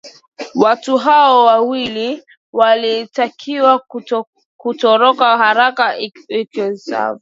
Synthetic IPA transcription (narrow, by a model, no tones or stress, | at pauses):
watuɦaɔwawili | walitakʰiwa | kutɔɾɔkahaɾakaikɔsa̰vu